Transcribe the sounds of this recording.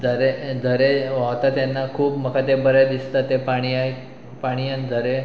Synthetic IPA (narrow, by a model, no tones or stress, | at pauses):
d͡zəɾed͡zʱəɾeot̪at̪janːakʰuːpməkʰat̪ebəɾad̪ist̪at̪epaɽ̃iaj | paɽ̃iand͡z̪ʱəɾe